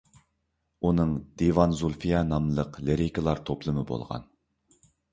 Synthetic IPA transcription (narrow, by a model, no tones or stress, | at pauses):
unɨŋd̪evɑnzulˠfijɑnɑmlˠəqleɾikʰəlˠɑɾt̪ʰoplˠɨmɨbo̰lˠʁɑ̰n